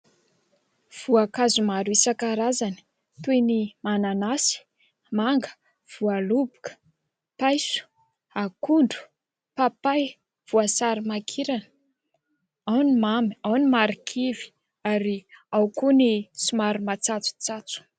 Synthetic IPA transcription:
v̥uakazumaɾuisakaɾazani̥ | t̪ujnimananasi̥ | maŋɡə̥ | v̥ualubukə̥ | pajsu̥ | akuɳɖ͡ʐu̥ | papaj | v̥uasaɾimakʰiɾanə̥ | awnimamawnimaɾikʰivi̥ | aɾiawkunisumaɾumat͡sat͡su̥t͡sat͡su̥

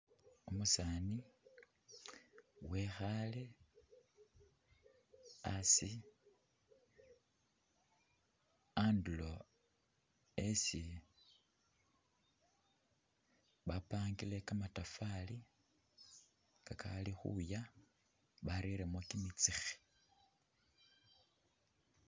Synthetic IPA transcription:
umusaːni | wexale | asi | andulo̞ | esi | βapaːŋɡile̞kamatafali | kakʰa̰lixṵja | βaɾiɾemwakimit͡sixi̥

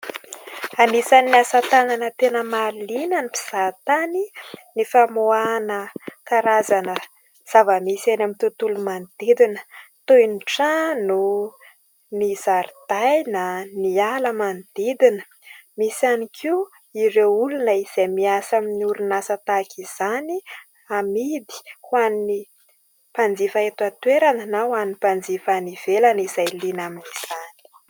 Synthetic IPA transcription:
anisaniasat̪ananət̪enəmalinanipi̥z̥at̪aninifamoanəkaɾazanə | z̥avəmisanamit̪ut̪ulumand̪̥ed̪inə̥t̪ojnʈ͡ʂanu | nizaɾt̪ajnanialəmand̪̥id̪inə̥ | misanikʰi | iɾeulunəiz̥emiasaminiuɾunasət̪akʰiz̥ani | amid̪i̥hwanni | pand͡zifaet̪uat̪weɾananawannipand͡zifaniv̥elanizajlinaminiz̥ani̥

